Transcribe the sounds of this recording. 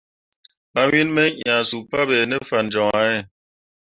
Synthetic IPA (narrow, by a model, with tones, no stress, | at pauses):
a˨wi˦nmɛ˦ʔja˨su˨pa˦bɛ˨nɛ˦fa˨nd͡ʒɔ˨ŋa˨˦ɛ˦˨